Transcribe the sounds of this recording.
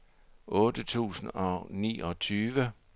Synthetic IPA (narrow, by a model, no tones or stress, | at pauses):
ʔɔ̽ːd̥ət͡sʰṵːsn̩ɒ̽nḭːʔɒ̽t͡sʰyːʋə